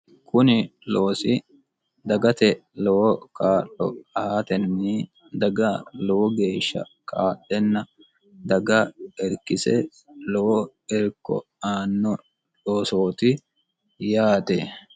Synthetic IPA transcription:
kʊnɪloːsɪ | d̪ɐɡɐt̪ɛlɔwɔkaːʔɔ̰ɐat̪ɛnːi | d̪ɐɡɐlɔwɔɡe̞ːʃːɐ̰kʰaːʔɛnːɐ | d̪ɐɡɐɛɾkːɪsɛ̰ | lɔwɔ | ɛɾkːɔ̰ | aːnːɔ | ᶑoːsoːt̪ɪ | jaːt̪e

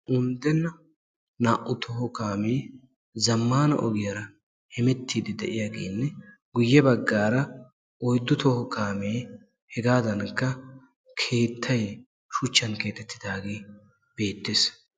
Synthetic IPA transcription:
ʔʊnd̪ɛnːɐ | naːʔʊt̪ʰɔhɔkaːmeː | zɐmːaːnɐ̰ʔɔɡɪjɐɾɐ | hɛmɛt̪ːiːd̪ɪd̪ɛʔɪjaɡḛːnːɛ | ɡʊjːɛbɐɡːaːɾɐ | ɔjd̪ːʊt̪ɔhɔkaːmeː | hɛɡaːd̪ɐnkːɐ | kʰe̞ːt̪ʰːɐj | ʃʊt͡ʃːɐnke̞ːt̪ɛt̪ʰːɪd̪aːɡeː | b̥e̞ːt̪ːeːs

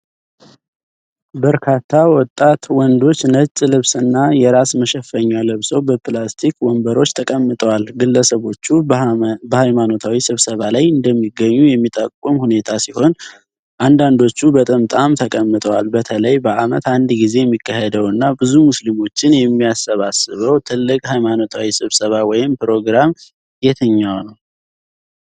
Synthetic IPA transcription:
bəɾkʰat̪ʰːawɔt̪ʼːat̪wɔnd̪o̞t͡ʃːnət͡ʃʼlɨβsɨnːajɛɾasməʃɛfːəɲːaləβsəwbəplast̪ʰikwɔmbəɾo̞t͡ʃːt̪ʰəkʼəmːɨt̪ʼwalɡɨlːəsəβo̞t͡ʃːubəhajmano̞t̪ʰawisɨβsəβalajɨnd̪əmːiɡːəɲːujɛmːit̪ʼəkʼːumhune̞t̪ʰasiho̞n | ʔand̪and̪o̞t͡ʃːubət̪ʼəmt̪ʼamt̪ʰəkʼəmːɨt̪ʼəwa̰lbət̪ʰələjbəʔamət̪and̪ɡize̞jɛmːikʰːahɛd̪əwɨnːabɨzumuslimo̞t͡ʃːɪnjɛmːijasːəβasɨβəwt̪ʰɨlːɨkʼhajmano̞t̪ʰawisɨβsəβawɔjɪmpɨɾo̞ɡɾam | jɛt̪ʰəɲːawnəw

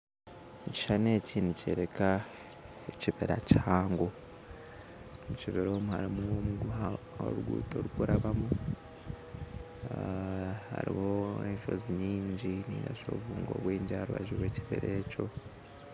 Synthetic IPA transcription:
muci̥ʃane̞ːciːnuce̞̰ːɾeka | eciβeɾacihaːŋɡo | muciβeɾo̞ːmuha̰ɾimuomuɡua | o̰ɾuɡṵːtoɾukuɾaβamu | ha̰ɾḭho̞eɲʃo̞̰ziɲiːɲɟinija̰ʃo̞ːβuːŋɡo̞̰βweːɲɟaaɾuβaʒiβweːciβḛɾeco̞

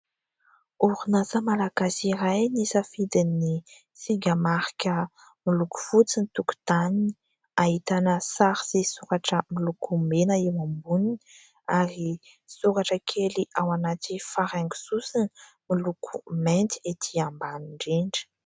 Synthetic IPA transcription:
uɾunazəmalaɡasiɾajnisəfid̪ini | siɡʲəmaɾikʲə | miluku̥fut͡sinit̪uku̥t̪anini | ahit̪anəsaɾiz̥esuɾaʈ͡ʂəmilukumenəewambunini | aɾi | suɾaʈ͡ʂəkʰeliʔawanat̪ifaɾaŋɡu̥susini | milukʰument̪i̥et̪ʰiambaniɳɖ͡ʐeɳɖ͡ʐi̥

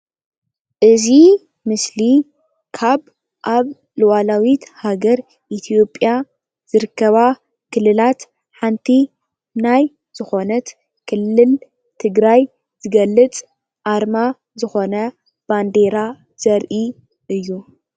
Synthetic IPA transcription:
ʔɨzi | mɨsli | kʰaβ | ʔaβ | lɨwalawit̪haɡɐɾ | ʔit̪ʰijo̞pʼja | z̥ɨɾɨkʰːɐβa | kʰɨlːɨlat̪ | ħant̪ʰi | naj | z̥ɨxo̞nɐt̪ | kʰɨlːɨl | t̪ʰɨɡɾaj | z̥ɨɡɐlːɨt͡sʼ | ʔaɾma | zɨxo̞nɐ | b̥and̪e̞ɾa | z̥ɐɾʔi | ʔɨjːu

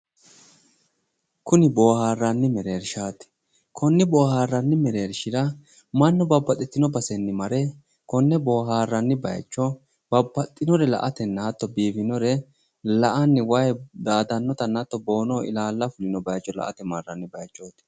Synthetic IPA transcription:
kʊnɪbo̞ːhaːrːɐnːɪmɛɾe̞ːɾʃaːt̪ɪ̥ | kʰɔnːɪbo̞ːhaːrːɐnːɪmɛɾe̞ːɾʃɪɾɐ | mɐnːɔbɐbːɐt̪ʼːɛt̪ːɪnɔbɐsɛnːɪmɐɾɛ | kɔnːɛbo̞ːɦaːrːɐnːɪbɐ̰jt͡ʃʼːɔ | b̥ɐbːɐt̪ʼːɪnɔɾɛlɐ̰ʔɐt̪ɛnːɐɐt̪ːɔbiːfɪnɔɾɛ | lɐʔɐnːɪwɐjd̪aːd̪ɐnːɔt̪ɐnːɐt̪ːɔbo̞ːnoːɪ̰laːlːɐfʊlɪnɔbɐjt͡ʃːɔlɐ̰ʔɐ̰t̪ɛmarːɐnːɪbɐjt͡ʃʼːo̞ːt̪

